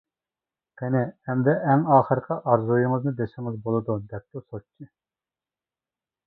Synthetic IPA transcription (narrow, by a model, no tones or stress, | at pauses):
qʰɛnɪɛmd̪ɛʔːŋɑːχəɾqʰəʔɑɾzujɨŋəznɨd̪eʃɪŋɨzbolˠɨd̪ud̪ɛp̚t̪usot͡ʃʰːi